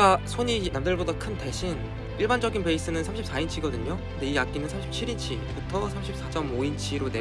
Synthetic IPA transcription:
kasʰoɲinamdɯɭbodakʰɯnteɕʰin | iɭband͡ʑʌɡinpe̞is͈ɯnɯnsʰamɕʰip̚s͈aint͡ɕʰiɡʌdɯɲokʰɯnde̞iak͈inɯnsʰamɕʰip̚t͡ɕʰiɾint͡ɕʰi | butʰʌsʰamɕʰip̚s͈ad͡ʑʌmoint͡ɕʰiɾone

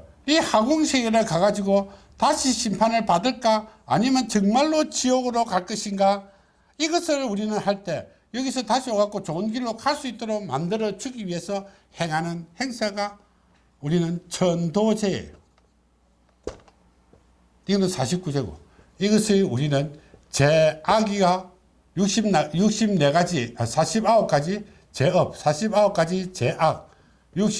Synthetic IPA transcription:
ihaɡuŋɕʰeɡeɾɯɭkaɡad͡ʑiɡo | taɕʰiɕʰimpʰanɯɭpadɯɭk͈a̰ːɲimjʌnt͡ɕʌŋmaɭːot͡ɕiʌɡɯɾokaɭk͈ɯɕʰinɡa | iɡʌsʰɯɭuɾinɯnhaɭt͈e̞ | jʌɡisʰʌtaɕʰioɡak͈ot͡ɕonɡiɭːokʰaɭs͈uit͈oɾoɡma̰ndɯɾʌd͡ʑuɡiɥiɦe̞sʰʌ | he̞ŋɦanɯnhe̞ŋsʰaɡa | uɾinɯnt͡ɕʰʌndod͡ʑeḛjo | iɡʌnɯnsʰaɕʰip̚k͈ud͡ʑe̞ɡo̰ | iɡʌɕʰiuɾinɯnt͡ɕeaɡiɡa | juk̚ɕ͈ibnajuk̚ɕ͈ibne̞ɡad͡ʑiʌsʰaɕʰibaok͈ad͡ʑi | t͡ɕe̞ʌp̚sʰaɕʰibaok͈ad͡ʑit͡ɕe̞ʔak̚ | juk̚

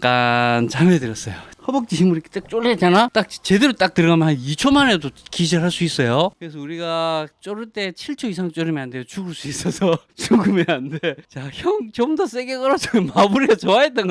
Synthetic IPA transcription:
k͈ant͡ɕamedɯɾjʌs͈ʌjohʌbʌk̚t͡ɕ͈içimuɾikʰt͈ak̚t͡ɕ͈oɭːet̚t͡ɕ͈anat͈ak̚t͡ɕe̞deɾot͈ak̚tɯɾʌɡamjʌnɦhanit͡ɕʰomanedokiɕ̬ʰiɭɦaɭs͈uis͈ʌjokɯɾesʰʌuɾiɡat͡ɕ͈oɾɯɭt͈e̞t͡ɕʰiɭt͡ɕʰoisʰaŋt͡ɕ͈oɾɯmiandejot͡ɕuɡɯɭs͈uis͈ʌsʰʌt͡ɕuɡɯmjʌnande̞t͡ɕaçjʌŋt͡ɕʌmdʌs͈eɡek͈ʌɾʌd͡ʑʰʌmomabuɾiɡat͡ɕʌwaɦet͈̚ʌŋɡ

